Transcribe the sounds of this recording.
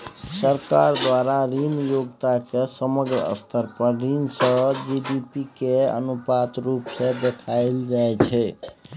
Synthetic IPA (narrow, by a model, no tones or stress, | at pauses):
səɾkaɾd̪ʋaɾaɾinjoɡt̪akesəməɡɾəə̰st̪ʰəɾpəɾɾinsəd͡ʒiɖipikeə̰nupat̪ɾupsẽd̪ekʰaɪld͡ʒajt͡ʃʰɛ